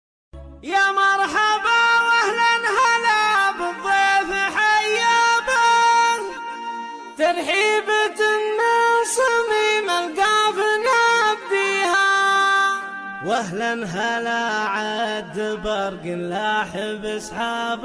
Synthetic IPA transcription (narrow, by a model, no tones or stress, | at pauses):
jamɑɾˤħabawahlanɦalabɨðˤːefħajabaɾ | t̪ɑɾˤħiːbɪt̪ɪnːasˤɨmimalɡafnabːiːha | waɦlanɦalaʕad̪ɪbɑɾˤɡɪnlaħɪbɑsˤħaːb